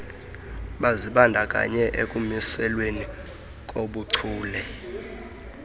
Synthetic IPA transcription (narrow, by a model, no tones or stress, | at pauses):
ɓaziɓandʱakʼa̰ɲɛʔekʼumisɛlweni | kʼoɓuǀʰuːlɛ